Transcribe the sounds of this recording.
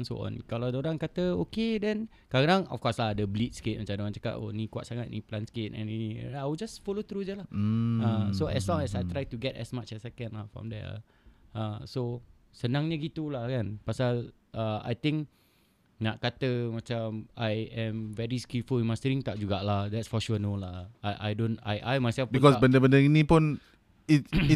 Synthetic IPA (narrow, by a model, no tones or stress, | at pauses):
nso̰ʔɔ̰̃nkaladoɾaŋkat̪əokedɛ̃n | kadaŋɔ̰fkɔsladəblit̪̚skɪt̚mat͡ʃamdəmãnt͡ʃaka̰tɔ̰nikua̰ʔsaŋat̪̚nḭplanskɪt̚ɛ̰̃ninḭawd͡ʒasfɔlot̪ɾud͡ʒəlah̩asoʔɛslɔ̃ŋɛsajt̪ɾajtuɡɛtɛ̰smat͡ʃɛsɛkə̃nlafɹɔ̰̃md̪ɛ̰ | aso | sənãŋɲəɡit̪ulahkanpasal | aa̰jt̪ɪ̃ŋk | naʔkat̪əmãt͡ʃamajɛ̃mvɛɹiskifulĩnmast̪əɾĩŋt̪aʔ̚d͡ʒuɡaʔlahd̪ɛtsfɔʃuənolahajʔa̰jdõna̰jʔajmajsɛlfbikɔsbəndəbəndəinĩpun | ii